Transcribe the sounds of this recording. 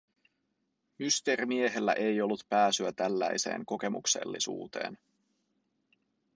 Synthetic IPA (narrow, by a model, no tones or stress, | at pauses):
myst̪e̞rimie̞ɦe̞lːæ̰ʔe̞jo̞lːut̪pæːsyæt̪ælːæjse̞̰ːŋko̞k̟e̞mukse̞̰lːḭsṵːt̪e̞̰ːn